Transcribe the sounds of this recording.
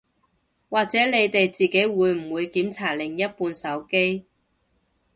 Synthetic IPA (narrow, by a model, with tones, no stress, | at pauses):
waː˨k̚t͡sɛː˨˥le˨˧jt̪e˨jt͡siː˨ke˨˥jwuː˨˧jm̩˨˩wuː˨˧jkiː˨˥mt͡sʰaː˨˩lɪ˨˩ŋjɐ˥t̚puː˧nsɐ˨˥wke˥j